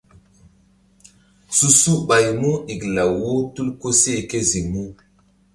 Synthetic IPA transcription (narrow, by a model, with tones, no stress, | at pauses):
su˦su˦ɓa˨jmu˦i˨kla˨wo˦tu˦lko˦se˦˨ke˦zi˨mu˦